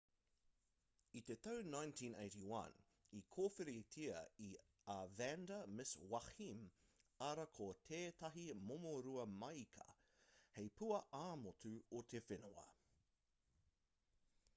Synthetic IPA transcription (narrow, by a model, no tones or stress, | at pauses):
it̪et̪ɐwnãjntʰĩnḛɪtiwɐ̰̃n | ikʰoːfeɾetʰiɐi | avændɐmɪswɐximɐɾɐkʰot̪ʰeːt̪ɐɦimomoɾuɐmɐjkʰɐ̥̰ | hejpuɐʔaːmotʉot̪ʰefɪnoɐ̰